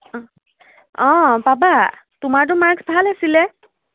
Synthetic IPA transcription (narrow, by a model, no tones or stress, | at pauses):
ɔ̃baba | tumaɹt̬ʊmaɹɡsbʱalasilɛ